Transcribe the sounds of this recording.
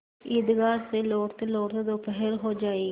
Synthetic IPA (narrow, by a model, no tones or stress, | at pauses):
iːd̪ɡaːɾseːloːɾt̪eloːɾt̪eːd̪oːpɛɦəɾɦoːd͡ʒaːeː